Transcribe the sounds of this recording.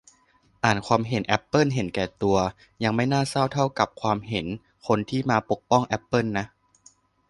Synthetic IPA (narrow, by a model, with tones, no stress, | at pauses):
ʔaː˨˩nkʰwaː˧mɦe˩˦nʔɛ˦˥pːɤ˥˩˨nɦe˩˦nkɛː˨˩t̪u˧ɐ | ja˧ŋma˥˩jnaː˥˩sa˥˩wt̪ʰa˥˩wka˨˩p̚kʰwaː˧mɦe˩˦n | kʰo˧nt̪ʰiː˥˩maː˧po˨˩k̚pɔ˥˩ŋʔɛ˦˥pːɤ˥˩nːa˦˥ʔ